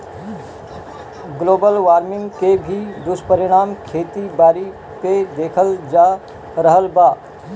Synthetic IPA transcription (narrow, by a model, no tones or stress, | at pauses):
ɡloːbəlʋaːɾmɪ̃ŋɡkebʱid̪ʊspəɾɪɽ̃aːmkʰeːt̪ibaːɾi | ped̪eːkʰəld͡ʒaː | ɾəɦəlbaː